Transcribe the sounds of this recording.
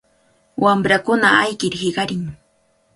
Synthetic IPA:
wamɾakʊnaajkɪɾhɪɢɑɾɪŋ

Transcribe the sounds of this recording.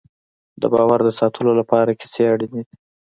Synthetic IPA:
d̪ə̰bɑwaɾd̪əsɑt̪ʰəlolapɑɾaki̥seaɽid̪i

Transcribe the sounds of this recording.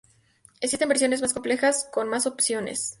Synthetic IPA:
eksist̪e̞mbeɾsjo̞nezmas̬ko̞mple̞xasko̞nmaso̞psjo̞ne̞̰s

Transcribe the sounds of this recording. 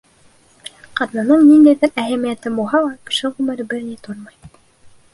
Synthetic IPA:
qɑt̪nɑnɤɴnind̪æjðɘɾæɦæmijæt̪ɘbulˠɦɑlˠɑkɘ̥̆ʃɘʁʉmɘ̆ɾɘbɘɾnit̪oɾmɑj

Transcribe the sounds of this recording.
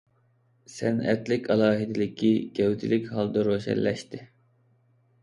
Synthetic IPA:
sɛnɛ̰t̪lɪkʲʰɑlˠɑːɦid̪ɪlɪkʲʰiɡʲɛwt̪ʰɪlɪkʲɦɑlˠd̪ɑɾoʃɛ̰lːɛʃt̪ɪ

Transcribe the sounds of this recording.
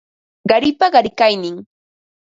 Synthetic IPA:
ɢɑɾɪpaɢɑɾɪkajnɪŋ

